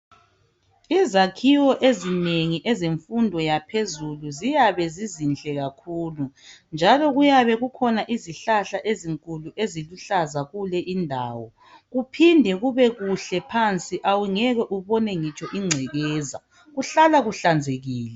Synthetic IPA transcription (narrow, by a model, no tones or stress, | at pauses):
izakʰiwɔʔezineŋiʔɛzeɱfundʱɔjapʰezuluzijaβɛzizint͡ɬʼɛɣakʰuːlund͡ʒʱalɔɣujaβɛɣukʰɔnaʔiziɬaɬaʔeziŋkʼuluʔeziluɬazaɣulɛʔindʱa̰ːwɔ | ɣupʰindʱɛɣuβɛɣuɬɛpʰant͡sʼiʔawiŋɛɣwɛʔuβɔnɛŋit͡ʃʼɔʔiŋ͡ǀʱɛɣɛːza | ɣuɬalaɣuɬand͡zʱeɣiːlɛ